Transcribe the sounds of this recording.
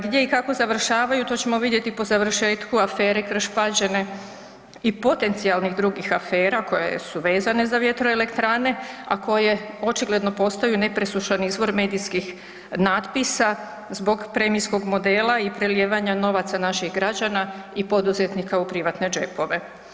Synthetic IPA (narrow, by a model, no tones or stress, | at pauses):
ɡd̪je̞ikako̞zaʋr̩ʃaːʋajut̪o̞t͡ɕe̞mo̞ʋid̪je̞t̪ipo̞zaʋr̩ʃe̞ːt̪kuafe̞ːɾe̞kɾ̩ʃpad͡ʑe̞ne̞ | ipo̞t̪e̞nt̪sialˠnixd̪ɾuɡixafe̞ːɾako̞jḛsuʋe̞ːzane̞zaʋje̞t̪ɾoele̞kt̪ɾane̞a̰ko̞je̞o̞t͡ʃiɡle̞d̪no̞po̞st̪ajune̞pɾesuʃanizʋo̞ɾme̞ːd̪iskix | naːd̪pisa | zbo̞ɡpɾe̞misko̞ɡmo̞d̪e̞ːlaipɾe̞ljeːʋaɲano̞ʋat̪sanaʃixɡɾad͡ʑanaipo̞d̪uzet̪nikaupɾiʋat̪ne̞d͡ʒe̞po̞ʋe̞